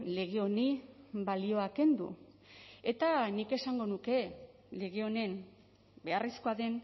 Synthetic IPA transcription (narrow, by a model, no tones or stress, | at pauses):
le̞ɣ̞eo̞nibalio̞ake̞nd̪ṵ | e̞t̪anike̞saŋɡo̞nuke̞ | le̞ɣeo̞ne̞n | be̞arisko̞aðe̞n